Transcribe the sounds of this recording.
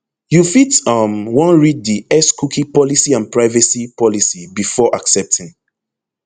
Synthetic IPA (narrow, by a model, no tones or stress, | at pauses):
jufitʌmwɔ̃nɹid̚diɛskʰukʰipɔlisiãnpɹaɪvəsipʰɔlisibifɔʔaksɛp̚tʰĩŋ